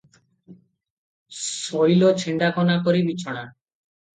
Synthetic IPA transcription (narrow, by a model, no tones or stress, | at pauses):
sɔjlot͡ʃʰeɳɖakɔnakɔɾibit͡ʃʰɔɽ̃a